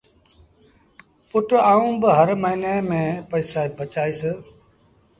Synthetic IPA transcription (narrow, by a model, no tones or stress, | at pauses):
pʊʈaːũːbəɦəɾməɦiːneːmẽːpəiːsaːibət͡ʃaːiːsə